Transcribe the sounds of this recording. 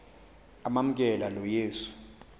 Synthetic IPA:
amam̩k̬ʼɛlalɔjeːsu̥

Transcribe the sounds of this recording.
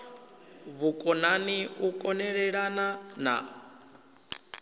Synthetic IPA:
βukʼɔnaniukʼɔnɛɺɛɺanana̰

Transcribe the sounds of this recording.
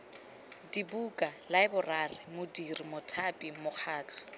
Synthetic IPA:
dibukʼalaɪbʊrarɪmʊdirimʊtʰapʼimʊk͡xʰaːt͡ɬʰḁ

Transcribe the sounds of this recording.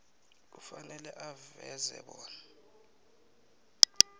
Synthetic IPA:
ufanɛlɛʔavɛzɛ̰ɓɔːna

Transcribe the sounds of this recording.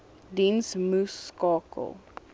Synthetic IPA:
dinsmuskɑːkʰə̰lˠ

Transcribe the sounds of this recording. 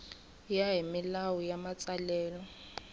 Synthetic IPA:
jaɦimilawujamat͡sʼalɛːlɔ

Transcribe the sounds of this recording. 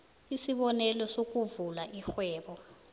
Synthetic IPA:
isiɓɔnɛlɔsok̬ʼuvulaʔixwɛːɓɔ

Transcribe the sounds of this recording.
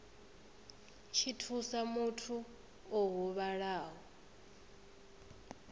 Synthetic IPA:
t͡ʃʰitʰusamutʰu | ɔɦuβaɺaːɦɔ

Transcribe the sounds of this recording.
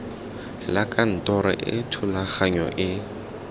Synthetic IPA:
lakʼan̩tʼɔɾɛ̰ʔɪ̰tʰʊlaχaɲɔʔɪ

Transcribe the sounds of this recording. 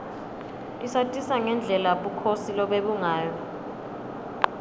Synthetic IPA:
isatʼisaŋɛnd͡ɮʱɛlaɓukʰosilɔɓeɓuŋaːjɔ

